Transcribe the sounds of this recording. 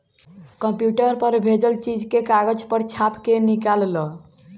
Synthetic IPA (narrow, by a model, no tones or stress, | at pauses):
kəmpjuʈəɾpəɾbʱed͡ʒəlt͡ʃid͡ʒkekaɡəd͡ʒpəɾt͡ʃʰapkenikallɔ